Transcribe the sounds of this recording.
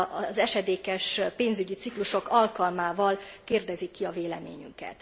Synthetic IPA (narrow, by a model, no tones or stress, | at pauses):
ɒzɛʃɛd̪eːkɛʃpeːnzyɟit̪sikluʃo̞kɒlkɒlmaːvɒlkeːrd̪ɛzikːiɒveːlɛ̰mḛːɲy̰ŋkɛ̰t̪